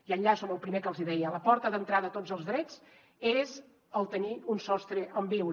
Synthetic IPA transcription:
iəʎasoməlˠpɾimekəlˠziðɛjələpɔɾt̪əðənt̪ɾaðət̪od͡zzəlˠzðɾɛd͡z | ez | əlˠt̪əniunsɔst̪ɾəʔəmbiwɾ

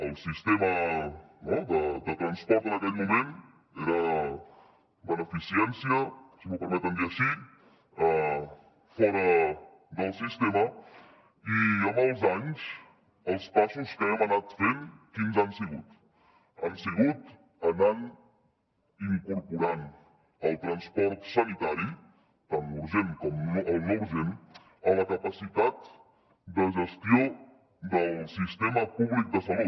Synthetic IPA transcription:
əlˠsist̪emə | nɔd̪əd̪ət̪ɾənspɔɾt̪ənəkɛʎmumen | eɾə | bənəfisiɛnsiəsimupəɾmɛt̪ənd̪iəʃi | ə | fɔɾə | d̪əlˠsist̪emə | iəməlˠzaɲs | əlˠspasuskaɛmənat̪fenkinzansəɣut̪ | ənsəɣut̪ | ənan | iŋkuɾpuɾan | əlˠt̪ɾənspɔɾt̪sənit̪aɾi | t̪anuɾʒenkɔməlˠnowʒen | ələkəpəsit̪at̪ | d̪əʒəst̪io | d̪əlˠsist̪ɛməpuβlik̚d̪əsəlu

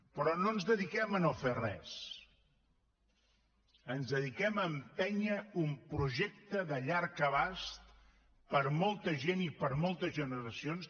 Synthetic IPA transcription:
pɾɔnoənzðəðikɛmənoferɛ̰s | ənzðəðikɛməmpɛɲəumpɾuʒek̚t̪əðəʎaɾkəβast̪ | pəɾmolˠt̪əʒenipəɾmolˠt̪əzʒənəɾəsions

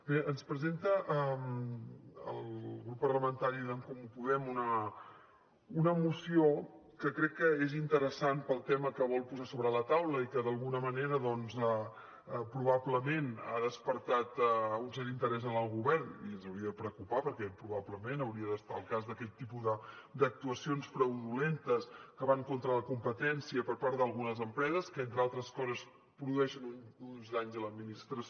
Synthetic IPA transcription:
beənspɾəzent̪əʔəm | ə̰lˠɣɾupːərləmənt̪aɾiðəŋkɔmupuðɛmunə | unəmusio | kəkɾɛkːəezint̪əɾəsanpəlˠt̪ɛməkəβɔlˠpuzasoβɾələt̪awləikəðəlˠɣunəməneɾəðɔnzə | pɾuβabləmena̰ðəspəɾt̪at̪unsɛɾint̪əɾɛzənəlˠɣuβɛrniənzəwɾiəðəpɾəkupapəɾkɛpɾuβabləmenəwɾiəðəst̪aəlˠkazðəkɛʎt̪ːipuðəd̪ək̚t̪uəsionspɾəwðulent̪əskəβaŋkont̪ɾələkumpət̪ɛnsiəpəɾpaɾt̪d̪əlˠɣunəzəmpɾɛzəskəent̪ɾəalˠt̪ɾəskɔzəs | pɾuðuɛʃənununzd̪aɲzələd̪minist̪ɾəs

